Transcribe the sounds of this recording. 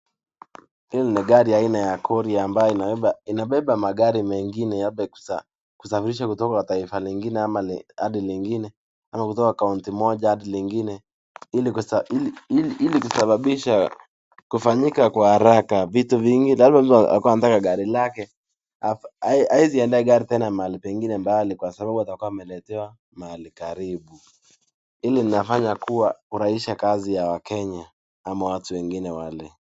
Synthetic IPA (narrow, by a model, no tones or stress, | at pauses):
hilɔniɠaɾiainajakʰɔɾiaːmbajɔinaɛainaɓɛɓamaɠaɾimɛŋɡinɛjaɓɛku̥sa | ku̥safiɾiʃakutɔkakataifaliŋɡinɛamal̰ha̰ɗiliŋɡinɛ | amakutɔkakauntimɔʄahaɗiliŋɡinɛ | ilikusaiilikusaɓaɓiʃa | kufaɲikakwahaɾakavituviŋɡilazmam̩tua̰akuwanatakaɡaɾilakɛ | aaaiziɛndaɛɡaɾitɛnamaalipɛŋɡinɛmbalikwasaɓaɓuatakuwamɛlɛtɛwa | maalikaɾiɓu | ilininafaɲakuwakuɾahiʃakazijawakɛɲa | amawatuwɛŋɡinɛwalɛ